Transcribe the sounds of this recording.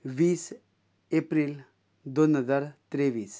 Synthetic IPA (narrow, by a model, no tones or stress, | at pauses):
ʋiːs | epɾiːl | d̪onɦəd͡zaɾt̪ɾeʋiːs